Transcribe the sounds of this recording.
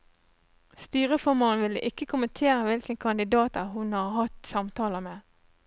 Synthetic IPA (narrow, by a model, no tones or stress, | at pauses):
st̪yːʁəfɔʁmoːnʋɪlə̰ʔɪkːəkʰʊmənt̪ʰeːʁəʋɪlkənkʰɑnd̪ɪd̪ɑːt̪əhʊnhɑʁhɑt̪sɑmt̪ʰɑːləmeː